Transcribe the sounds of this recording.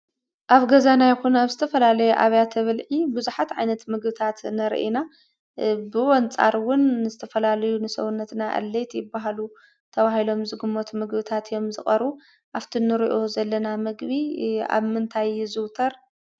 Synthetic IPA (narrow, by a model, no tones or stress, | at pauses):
ʔaβɡɐzanajɪxunaβzɨt̪ʰɐfɐlalɐjɛʔaβjat̪ʰɐβɨlʕibuzuħat̪ʕajnɐt̪mɨɡbɨt̪ʰat̪nɐɾ̰ʔina | bɨwɔnt͡sʼa̰ɾwʊnːɨzɨt̪ʰɐfɐlalɐjunɨsɐ̰wunːɐt̪naʔɐ̰lːet̪jɪbːaɦalu | t̪ʰɐβahilo̞mzɨɡɨmːot̪mɨɡbɨt̪ʰat̪jo̞mzɨχʼɐɾu | ʔaft̪ʰinɨɾḭʔo̞zɐlːɐnamɨɡbia̰βmɨnt̪ʰajzɨwt̪ʰɐɾ